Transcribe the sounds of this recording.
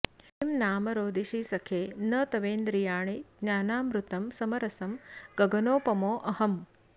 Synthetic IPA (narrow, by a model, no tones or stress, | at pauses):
imnaːmɐɾoːd̪iʃisɐkʰeːnɐt̪ɐʋeːnd̪ɾijaːɳid̪njaːnaːmɾut̪ɐmsɐmɐɾɐsɐmɡɐɡɐnoːpɐmoːʔɐhɐm